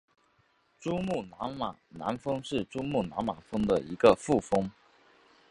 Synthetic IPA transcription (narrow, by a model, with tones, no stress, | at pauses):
ʈ͡ʂu˥mu˥˩na˧˥nma˨˩na̰˧˥nfɤ˥ŋʂɻ̩˥˩ʈ͡ʂu˥mu˥˩na˧˥nma˨˩fɤ˥ŋd̪ə˨i˧˥ɡə˧fu˥˩fɤ˥ŋ